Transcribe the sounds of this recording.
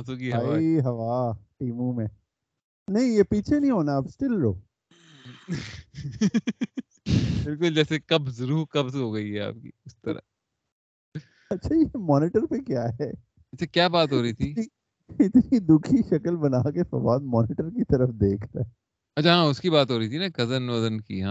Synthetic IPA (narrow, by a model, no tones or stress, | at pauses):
ãt̪okiɦɐɦɐʋaʈiːmũmẽ | nɐɦĩjepiːt͡ʃʰenɐɦĩɦoːnaːpsʈɪlɾo̰ː | bɪlkʊld͡ʒɛːsekɐbzɐɾuːɾkɐbsɦoːɡɐiɦɛa̰ːp̚kḭːʊst̪ɐɾa̰ | ɐtːʃʰajemɔːnɪʈəɾpekjaːɦɛ | t͡ʃʰakjaːbaːt̪ɦoːɾɐit̪ʰini | ɪt̪nid̪ʊkʰiʃɐkəlbɐnaːkefɐ̰baːd̪mɔːnɪʈəɾkit̪ɐɾəfd̪eːkʰt̪a̰ɛ | ɐt͡ʃʰaɦãːʊskibaːt̪ɦoːɾɐit̪ʰinaɡɐzənʋɐzənkiɦã